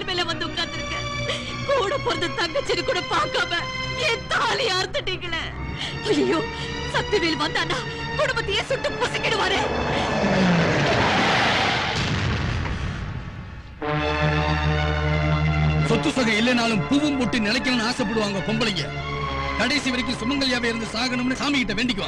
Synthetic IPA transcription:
lmeːleːʋɐnd̪ɯʊkːaːt̪ːɪɾɯkːɛ | kuːɽɐpːɔɾɐnd̪ɯt̪ɐŋɡɐt͡ʃːɪɾɯkːuːɽɐpaːɾkaːmɛ | ɛnt̪ɐaːlɪjaːɾɯt̪ːɯʈːiːŋɡɐɭe | ɐlɐjoː | sɐt̪ːɪʋiːlʋɐnd̪aːnːaː | kʊɽʊmbɐt̪ːɐjeːsʊʈːɯpoːsɪkʲːɪɽɯʋaːɾe | sɔt̪ːɯsɐɣɐɪlːɛnaːlɯmpuʋɯmpʊʈːinɪlɐɪk̬ːɐnɐnɯaːsɐp̬ːɐɽɯʋaːŋɡɐkɔmbɐlɪŋɡɐ | kɐɽɐɪsiʋɐɾɪk̬ʲːɯsʊmɐŋɡɐɭɪjaːʋɐɪɾɯnd̪ɯsaːɣɐɳɯmnɯsaːmɪkɪʈːɐʋeːɳɖɪk̬ːɯʋaː

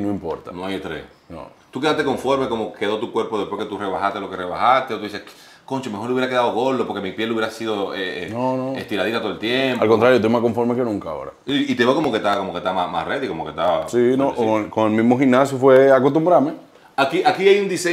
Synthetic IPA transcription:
noimpo̞̰ɾt̪a̰noajet̪ɾḛs | no̰t̪ukeaht̪e̞ko̞ɱfo̞ɾmekomoke̞ðo̞t̪ukwe̞ɾpoðepwesket̪ureβahat̪elokereβa̰hast̪eot̪uðise | koɲt͡ʃemeo̞ɾluβjeɾake̞ðaðoɣold̪opoɾke̞mipjeluβjeɾasiðoeenonoḛst̪iɾaðit̪at̪oðelt̪jempalkont̪ɾaɾjot̪̬omasko̞ɱfo̞ɾmekenũŋkao̰ɾa̰it̪eβeokomoket̪akomoket̪amasma̰sret̪ikomoket̪asinoʔookoŋelmizmo̞xinasjofweakost̪umbɾaɾme | akiʔakiajund̪ise

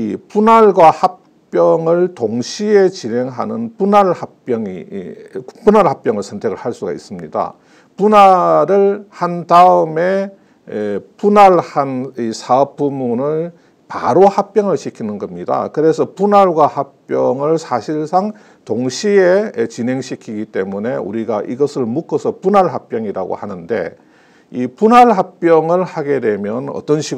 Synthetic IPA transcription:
ipunaɭɡwahak̚ | p͈jʌŋɯɭtoŋɕʰie̞t͡ɕine̞ŋɦanɯnpunaɭhap͈jʌŋḭ | punaɭhap͈jʌŋɯɭsʰʌntʰe̞ɡɯɭhaɭs͈uɡa̰ḭs͈ɯmɲḭda̰ | punaɾɯɭhandaɯme̞ | punaɭhanisʰaʌp͈umunɯɭ | pa̰ɾohak̚p͈jʌŋɯɭɕʰikʰinɯnɡʌmɲida̰kɯɾe̞sʰʌpunaɭɡwahap͈jʌŋɯɭsʰaɕʰiɭsʰaŋ | toŋɕʰie̞t͡ɕinɦe̞ŋɕʰikʰiɡit͈e̞mune̞ṵɾiɡaʔiɡʌsʰɯɭmuk͈ʌsʰʌpunaɭɦap͈jʌŋiɾa̰ɡo̰hanɯnde̞̰ | ipunaɭɦap͈jʌŋɯɭhaɡe̞dwe̞mjʌnʌ̰t͈ʌnɕʰiɡ

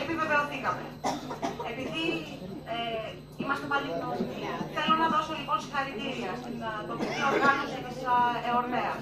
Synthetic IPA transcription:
emiveveoθikɐme | epiði | e | imɐst̪epalinoiθelonɐðosoliponsi̥xɐɾit̪iɾiɐst̪iɐt̪opit̪ioɾɣanosekesaeoɾmeɐ

